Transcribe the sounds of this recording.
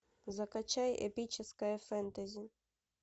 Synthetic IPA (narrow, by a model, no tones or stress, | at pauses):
zɐkɐt͡ʃajḛpʲit͡ʃɪskɐjɐfɛnt̪ɐzʲi